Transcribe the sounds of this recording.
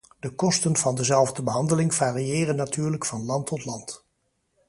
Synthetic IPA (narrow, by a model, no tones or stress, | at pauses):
d̥əkɔstənv̥ɑndəzɛlˠvdəbəɦɑndəlɪŋvaːrijɪːrənːatyːɹləkfɑnlɑntʰɔtlɑnt